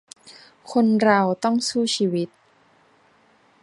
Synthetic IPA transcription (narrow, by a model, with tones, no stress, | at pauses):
kʰo˧nɾa˧wt̪ɔ˥˩ŋsuː˥˩t͡ɕʰiː˧˩wi˦˥t̪̚